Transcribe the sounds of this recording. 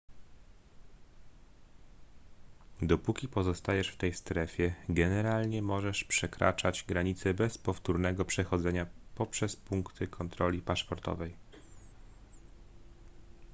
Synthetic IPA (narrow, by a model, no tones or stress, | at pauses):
d̪ɔpukʲipɔzɔst̪ajɛʂft̪ɛjst̪ɾɛfʲjɛɡɛnɛɾalɲɛmɔʐɛʂpʂɛkɾa̰t͡ʂad͡ʑɡɾaɲit̪sɛbɛspɔft̪uɾnɛɡɔpʂɛxɔd̪zɛɲapɔpʂɛspuŋkt̪ʰɘkʰɔnt̪ɾɔlʲipaʂpɔɾt̪ɔ̰vɛj